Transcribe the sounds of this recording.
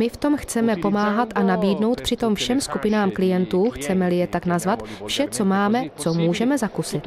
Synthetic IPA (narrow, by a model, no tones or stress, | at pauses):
mɪft̪o̞mxt͡sɛmɛpo̞maːɦat̪ʔanabiːdno̞wt̪pr̥ɪt̪o̞mfʃɛmskupɪnaːmklɪjɛnt̪uːxt͡sɛmɛlɪjɛt̪aknazvat̪fʃɛt͡so̞maːmɛt͡somuːʒɛmɛzakusɪt̪